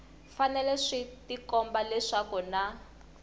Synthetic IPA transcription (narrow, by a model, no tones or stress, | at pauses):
fanɛlɛʂitikɔmbalɛʂakuna